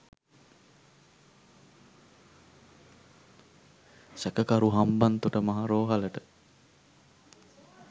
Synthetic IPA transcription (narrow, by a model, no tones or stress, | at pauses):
sækəkaɾuɦambant̪uʈəmaɦaɾoːɦaləʈə